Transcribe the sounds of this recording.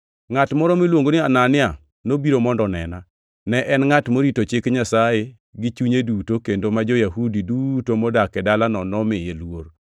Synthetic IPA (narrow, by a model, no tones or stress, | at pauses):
ŋatmɔɾɔmɪlwoŋɡonɪananɪa | nobiɾomɔndɔnɛ̰na | nɛʔɛnŋatmoɾitot͡ʃɪkɲasaje | ɡɪt͡ʃuɲedutokendomad͡ʒojaɦudidutomɔdakɛdalanɔnɔmɪjelwoɾ